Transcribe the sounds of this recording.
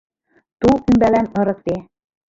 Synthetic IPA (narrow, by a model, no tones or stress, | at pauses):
t̪ulˠkymbælænɤ̆ɾɤ̆k̚t̪e